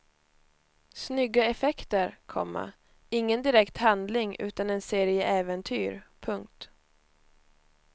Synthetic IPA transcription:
snʏɡːaɛfɛkt̪əɾkʰɔ̰mːə̰ | ɪŋːənd̪ɪɾɛkt̪hand̪lɪŋʔʉ̟̰ːt̪anɛnseːɾɪəʔɛːvɛnt̪ʰyːɾpʰɵŋk̚t̪

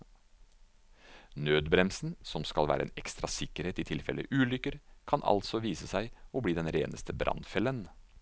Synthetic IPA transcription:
nøːd̪bɾɛmsn̩sɔmskɑlʋæ̰ːɾəḛnɛkst̪ɾɑsɪkːəɾheːt̪ɪt̪ʰɪlfɛlə̰ʔʉːlʏkːəɾkʰɑnʔɑ̰lt̪sɔʋiːsəsæɪobliːd̪ɛnɾeːnəst̪ʰəbɾʔɑ̰nfɛlən

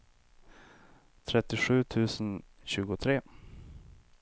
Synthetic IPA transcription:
t̪ʰɾɛt̪ːɪɧʉ̟ːt̪ʰʉ̟ːsənɕʉ̟ːɡʊt̪ʰɾeː

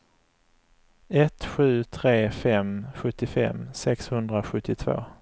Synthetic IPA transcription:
ɛt̪ɧʉ̟ːt̪ʰɾeːfɛmɧɵt̪ːɪfɛ̰mːsɛkshɵnd̪ɾaɧɵt̪ʰːɪt̪ʰvo̰ː

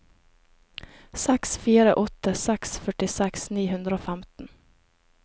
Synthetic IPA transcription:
sɛksfiːɾəʔɔt̪ːəsɛksfœʈɪsɛksniːɦʉnd̪ɾəoːfæmt̪n̩

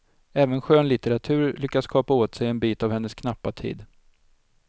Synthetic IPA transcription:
ɛːvənɧøːnlɪt̪ɛɾat̪ʰʉ̟ːɾlʏkːaskʰɑːpaoːt̪sɛjɛnbiːt̪avhɛnːəskʰnapːat̪ʰḭːd̪

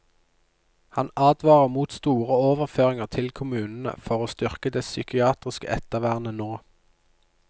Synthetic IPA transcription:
hɑnɑːd̪ʋɑːʁəʁmuːt̪st̪uːʁəoːʋəʁføːʁɪŋəʁt̪ʰɪlkʰʊmʉːnn̩ə̰fɔʁoːst̪ʏʁkəd̪eːsʏkɪɑːt̪ʁɪskə̰ʔɛt̪əʋæːʁnənoː

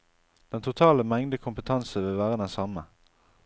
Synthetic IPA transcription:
d̪̥ɛnt̪ʰʊt̪ʰɑːləmɛŋd̪əkʰʊmpət̪ʰɑnsəʋeʋæːʁəd̪ɛnsɑmə

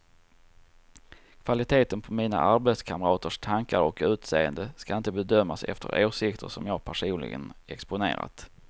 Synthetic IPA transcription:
kʰvalɪt̪ʰeːt̪ənpʰɔmiːna̰ʔaɾbɛt̪skʰamɾɑːt̪əʂt̪ʰaŋkaɾɔkʉ̟ːt̪seːənd̪əskaɪnt̪əbɛd̪œmːasɛ̰ft̪ʰə̰ɾʔoːʂɪkt̪ʰə̰ʂɔmjɑːɡpʰæʂuːnlɪ̰ɡə̰nɛkspʊnḛːɾa̰t̪

